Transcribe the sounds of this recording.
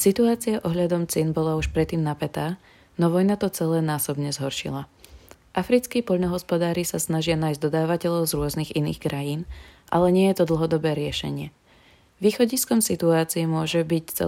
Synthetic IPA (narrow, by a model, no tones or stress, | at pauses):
sit̪uaːt͡siaʔɔɦʎad̪ɔmt͡sɛnbɔlauʃpɾɛt̪ːiːmnapɛt̪aː | nɔʋɔjnat̪ɔt͡sɛlɛːnaːsɔbɲɛzɦɔɾʃḭla | ʔafɾit͡skiːpɔʎnɔɦɔspɔd̪aːɾisasnaʒɪanaːjzɟd̪ɔd̪aːʋacɛʎɔʊzɾʊɔzniɣinḭːxkɾajiːnʔalɛɲɪɛjɛt̪ɔd̪l̩ˠɦɔd̪ɔbɛːɾɪɛʃɛ̰ɲɪɛ | ʋiːxɔɟiskɔmsit̪uaːt͡siɛmʊɔʒɛbict͡sɛ̰